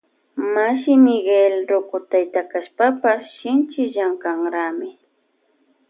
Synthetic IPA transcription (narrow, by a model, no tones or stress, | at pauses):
maʃɪnɪɡelɾʊkʊt̪ajt̪akaʃpapaʃɪnt͡ʃɪʎaŋkaŋɾaːmɪ